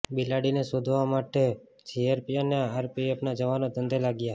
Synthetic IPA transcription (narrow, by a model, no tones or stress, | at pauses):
bilaɽinesod̪ʱʋamaʈe | d͡ʒiaɾpiəneaɾpiepnad͡ʒəʋanot̪ənd̪elaɡja